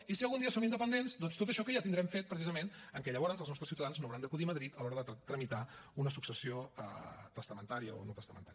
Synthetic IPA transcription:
isiəlˠɣund̪iəsomind̪əpənd̪enzd̪ɔnst̪ot̪əʃɔkəjat̪ind̪ɾɛmfet̪̚pɾəsizəmenəŋkɛʎəβ̞ɔɾənzəlˠznɔst̪ɾəsiuwt̪əðanznoəwɾand̪əkuðiəməðɾit̪əlˠɔɾəðət̪ɾəmit̪aunəsuksəsioə̰t̪əst̪əmənt̪aɾiə̰o̰not̪əst̪əmə̰nt̪aɾi

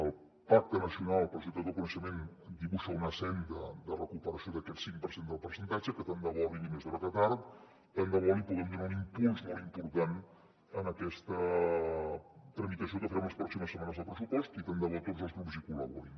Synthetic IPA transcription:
əlˠ | pak̚t̪ənəsiunalˠəlˠpɾʃ̬ut̪əd̪əkunəʃəmen | d̪iβuʃəunəsɛnd̪əd̪ərəkupəɾəsioðəkɛt̪siŋpəɾsend̪əlˠpəɾsənt̪ad͡ʒəkət̪and̪əβɔlinimezðɔɾəkət̪aɾ | t̪and̪əβɔlipuɣɛmd̪unaunimpulzmɔlˠimpuɾt̪an | ənəkɛst̪ə | t̪ɾəmit̪əsiokəfəɾɛmləspɾɔksiməsːəmanəzðəlˠpɾəsupɔst̪it̪and̪əβɔt̪otzəlˠɣɾupzikuləβṵɾin

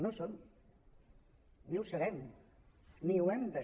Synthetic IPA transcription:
noson | niwsəɾɛm | niuɛmd̪ə

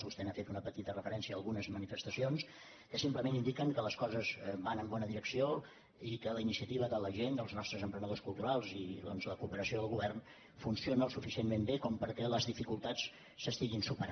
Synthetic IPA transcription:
βust̪ɛnafet̪unəpət̪it̪ərəfəɾɛnsiəːlˠɣunəzmənifəst̪əsions | kəsimpləmenind̪ikəŋkələskɔzəzbanəmbɔnəðiɾəksio | ikələinisiət̪iβ̞əðələʒend̪əlˠznɔst̪ɾəzəmpɾənəðoskulˠt̪uɾalˠziðɔnzləkuːpəɾəsioðəlˠɣuβɛrn | funsionəəlˠsufisienmembekɔmpəɾkɛləzðifikulˠt̪at͡s | səst̪iɣinsupəɾ

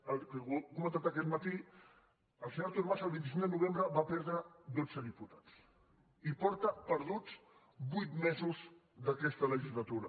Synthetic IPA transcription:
əlkəukumə̃nt̪at̪əkɛt̪mət̪i | əlˠsəɲoɾt̪uɾmazəlˠβint̪isiŋd̪ənuβ̞embɾəβapɛɾðɾəd̪od͡zəðiput̪at͡s | ipɔɾt̪əpəɾð̞ut͡s | bujt̪mɛzuz | d̪əkɛst̪ələʒizlat̪uɾə

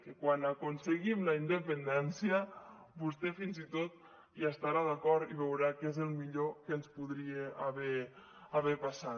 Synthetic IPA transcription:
kekwanakunseɣimlaind̪əpend̪ɛnsjə | bust̪efinzit̪ot̪̚ | iast̪aɾaðakɔɾt̪iβewɾakezəlˠmiʎokenspuðɾieaβɛ | aβɛpasa

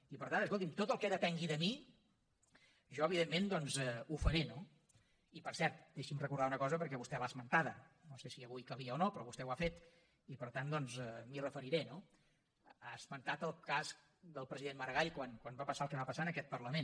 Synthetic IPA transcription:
ipəɾt̪anəskolˠt̪imt̪ot̪əlˠkɛðət̪ɛŋɡiðəmi | ʒɔəβ̞iðemːend̪ɔnzɛufəɾeno | ipəɾsɛɾt̪̚eʃimrəkuɾð̞aunəkɔzəpəɾkɛβust̪ɛβaːzmənt̪aðənosesiəβujkəβiəonopɾɔβust̪ɛwafet̪ | ipəɾt̪and̪ɔnzɛmirəfəɾiɾɛno | azmənt̪at̪əlˠkas | d̪əlˠpɾəziðenməɾɣaʎkwankwanbapəsalˠkɛβapəsaənəkɛt̪̚pərləmen

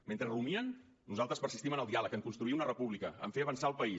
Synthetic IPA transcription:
ment̪ɾərumiən | nuzalˠt̪ɾəspəɾsist̪imənəlˠd̪ialəkəŋkunst̪ɾuiunərəpuβlikəə̰ɱfeəβənsaəlˠpəi

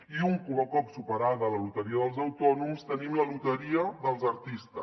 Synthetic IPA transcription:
iuŋkuləkɔpsupəɾaðəːləlut̪əɾiəðəlˠzəwt̪ɔnumst̪ənimləlut̪əɾiəðəlˠzəɾt̪ist̪ə̰

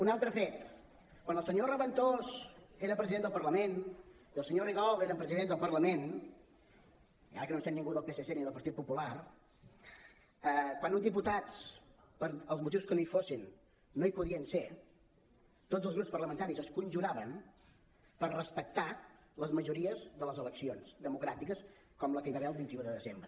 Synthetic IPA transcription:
unalˠt̪ɾəfet̪ | kwanəlˠsəɲorəβənt̪ozeɾəpɾəziðend̪əlˠpəɾləmen | iəlˠsəɲoriɣaɔlˠeɾəmpɾəziðend̪əlˠpərləmen | ia̰ɾəkənosenːĩŋɡuðəlˠpeseseniðəlˠpəɾt̪it̪̚pupular | əkwanund̪iput̪at͡s | pəɾəlˠzmut̪̬iwskənoifosinː | oipuðiənse | t̪od͡zəlˠɣɾupspərləmənt̪aɾizəskunʲʒuɾaβəm | pərrəspək̚t̪a | ləzməʒuɾiəzðələzələksionzd̪əmukɾat̪ikəs | kɔmləkəjβaβeəlˠβint̪iuðəðəzembɾə

